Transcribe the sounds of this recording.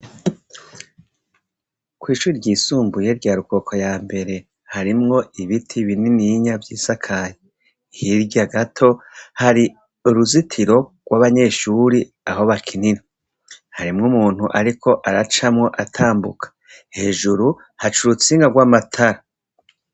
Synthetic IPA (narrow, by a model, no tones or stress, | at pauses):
kwiːʃuːɾiɾɟiːsuːmbuje̞ɾɟaːɾuko̞kʰo̞jaːmbe̞ɾe̞ | haɾimŋo̞iβitʰiβininiɲavɟiːzakʰaje | hiɾɟaɡatʰo̞haɾi | uɾuzitʰiɾo̞ɡ̥waβaɲe̞ːʃuːɾi | aho̞βakʰinini | haɾimŋumuːn̥huʔaɾikʰo̞ʔaɾat͡ʃamŋo̞ʔatʰaːmbukʰḁ | he̞ːʒuɾu | hat͡ʃuɾut͡siːŋɡaɡwaːmatʰaɾa